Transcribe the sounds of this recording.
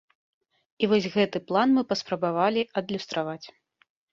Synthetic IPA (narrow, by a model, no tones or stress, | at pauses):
ivɔsʲɣɛt̪ɨplˠanmɨpɐspɾɐbavalʲiɐd̪lʲust̪ɾavat͡sʲ